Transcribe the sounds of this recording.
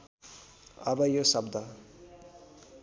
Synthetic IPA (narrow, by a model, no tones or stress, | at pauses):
ʌbʌjosʌbd̪ʌ